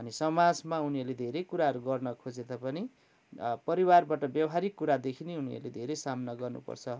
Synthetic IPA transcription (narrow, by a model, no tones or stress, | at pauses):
ʌnisʌmad͡zmauniʌrled̪ʱeɾekuɾaɦʌɾuɡʌrnʌkʰod͡zed̪apʌni | pʌɾiwarbaʈʌbjʌwɦaɾikːuɾad̪ekʰineuniʌ̰rled̪ʱeɾesamnʌɡʌrnṵpʌ̰rt͡sʰʌ